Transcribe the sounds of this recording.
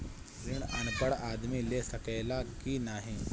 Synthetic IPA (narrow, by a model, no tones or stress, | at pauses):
ɾiːɳənpəɽad̪miːlesəkəjlakinaɦi